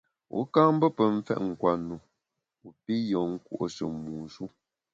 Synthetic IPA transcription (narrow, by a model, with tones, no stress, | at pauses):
ṵ˨˦ka˦ŋ˦bə˦pə˨ɱ̩˦fɛ̰˦ʔŋ̩˨kwa˨nu˨ | u˨pi˦jɔ˨ŋ̩˦kṵ˦ʔo˨sə˨muː˨su˦